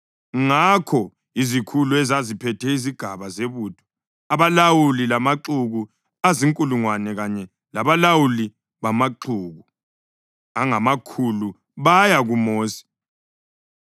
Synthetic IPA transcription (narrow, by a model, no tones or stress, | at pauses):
ŋakʰɔ | izikʰuluɛzazipʰɛtʰɛiziɡ̥ʱaβazeβuːd̥ʱɔ̥ | aβalawulilamaǁuɣu | aziŋkʼuluŋwanɛɣaɲɛ | laβalawuli | βamaǃuːɣu | aŋamakʰulu | βajaɣumoːsi̥